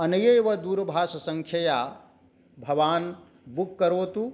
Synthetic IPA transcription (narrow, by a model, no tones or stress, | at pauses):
ɐnɐjɐjʋɐd̪uːɾɐbʱaːʃɐsɐŋkʰjɐjaː | bʱɐʋaːn | bukːɐɾoːt̪u